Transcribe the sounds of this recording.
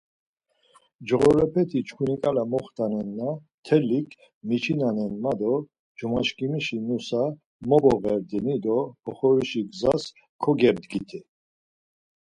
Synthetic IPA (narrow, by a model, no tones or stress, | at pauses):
d͡ʒʁɔɾɛpʰɛt̪ʰit͡ʃʰkʰunikʼalamɔχt̪anɛnːa | t̪ʰɛlikʰ | mit͡ʃʰinanɛnmad̪ɔ | d͡ʒumaʃkʼimiʃinusa | mɔbɔʁɛɾd̪ɛnid̪ɔɔχɔɾiʃiɡzas | kʰɔɡɛɾd̪ɡit̪ʰɛ